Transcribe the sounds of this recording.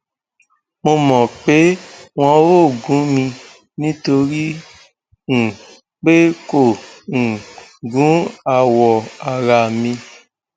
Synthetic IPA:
mo˧mɔ̃˨k͡pe˨˦w̃ɔ̃˧wo˦˨ɡũ˨˦mĩ˧ | nĩ˦to˧ɾi˦ | ñ̩˨ | k͡pe˦ko˦˨ñ̩˨ɡũ˨˦a˧˨wɔ˨a˨ɾa˧˨mĩ˧

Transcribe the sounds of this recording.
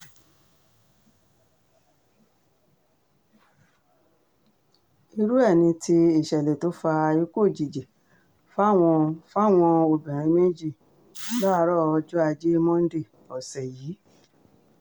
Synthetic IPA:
i˧ɾu˦ɛ˦˨nĩ˧tʰi˧i˨ʃɛ˨le˨to˨˦fa˧i˦ko˦˨d͡ʒi˨d͡ʒe˨ | fa˦w̃ɔ̃˧fa˦˨w̃ɔ̃˧o˨bɛ̃˨ɾ̃ĩ˨˧˦me˦d͡ʒi˦˨˦ | ba˦a˧˦ɾɔ˦˨ɔ˧d͡ʒɔ˦a˧d͡ʒe˦mɔ̃˦n̩˦de˦˨ | ɔ˨sɛ˨jiː˨˦

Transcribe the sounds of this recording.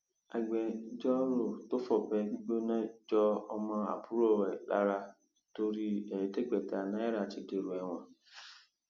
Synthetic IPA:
a˨ɡ͡bɛ˨˦d͡ʒɔ˦ɾo˦˨to˦fɔ˦˨bɛ˧ɡ͡bi˦ɡ͡bo˦nã˦d͡ʒɔ˦ɔ˧mɔ̃˧a̰˨bu˦ɾo˦˨ɾɛ˨la̰˦ɾa˧ | to˧ɾi˦ɛ˨ɾi˨te˦˨ɡ͡bɛ˨ta˨nã˦ɛ˦ɾa˦˨t͡ʃi˨de˨ɾu˨ɛ˨w̃ã˨

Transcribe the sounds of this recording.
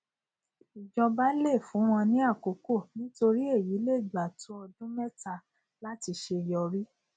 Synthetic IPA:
i˨d͡ʒɔ˧ba˦le˦˨fũ˨˦w̃ɔ̃˧nĩ˦a˦˨ko˨ko˦˨nĩ˦to˧ɾi˦e˦˨ji˨˦le˦˨d͡ʒa˨tũ˨˦ɔ˧dũ˦mɛ˦ta˧ | la˦ti˧ʃe˧˨jɔ˧ɾi˦

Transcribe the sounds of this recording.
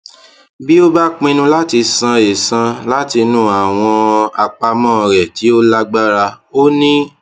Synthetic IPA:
bi˦o˦ba˦k͡pĩ˧nũ˧la˦ti˧sã˧e˨sã˧la˦ti˧nũ˦a˨w̃ɔ̃˧a˧k͡pa˧mɔ̃ː˦˧˨ɾɛ˨ti˨˦o˦la˦ɡ͡ba˦ɾa˧ | o˦nĩ˦

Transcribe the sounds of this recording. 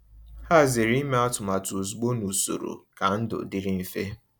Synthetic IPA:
ha˦˨zɪ˨ɾi˦me˦a˦tʊ˨ma˨tʊ˨zu˨ɡ͡bo˦nu˨so̰˨ɾo̰˨ka˨n̩˦dʊ̰˨dɪ˦ɾɪ˦m̩˦fe˦

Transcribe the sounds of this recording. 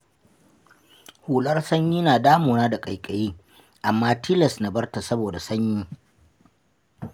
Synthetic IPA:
huː˨lɐ˦rsɐ˦ɲjiː˦naː˨daː˦moː˨naː˦da˨kʼɐ˨jkʼɐ˨jiː˦ | ʔa˨mːaː˦tʰi˦lɐ˨sna˨bɐ˦rta˨sɐ˦boː˨da˨sɐ˦ɲjiː˦

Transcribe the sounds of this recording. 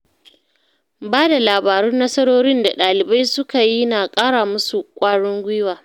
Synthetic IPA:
baː˦da˨laː˨baː˨ɾʊ˦nːɐ˦sɐ˦ɽoː˦ɽɪ˦nda˨ɗaː˨lɪ˨ba˦jsʊ˦ka˨ji˦naː˨kʼaː˦ɽaː˨mʊ˦su˨kʷʼaː˦ɽʊ˦ŋɡʷɪ˦waː˨

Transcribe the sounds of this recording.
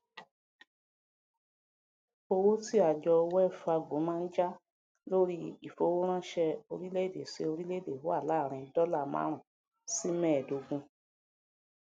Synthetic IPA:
o˧wo˦ti˦a˨d͡ʒɔ˧wɛ˦˨fa˧ɡõ˨˦mãː˦n̩˦d͡ʒa˦ | lo˦ɾi˦i˨fo˧wo˦ɾ̃ã˦ʃɛ˧o˧ɾi˦le˦˨de˨ʃe˧o˧ɾi˦le˦˨de˨wo˦a˦˨la˦˨ɾ̃ĩ˧dɔ˦la˦˨mã̰˨˦ɾ̃ã˨ | si˦mɛ̃˦˨do˨˧ɡũ˧

